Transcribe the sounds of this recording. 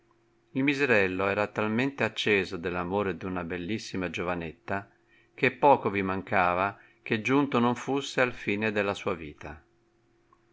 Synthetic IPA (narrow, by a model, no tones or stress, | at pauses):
ilmizeɾɛlːoɛːɾat̪alment̪eat͡ʃːɛːzod̪elːamoːɾed̪iunabelːisːimad͡ʒovanet̪ːa | k̟epːɔːkovimaŋkaːva | k̟ed͡ʒːunt̪onoɱfusːealfiːned̪elːasuːaviːt̪a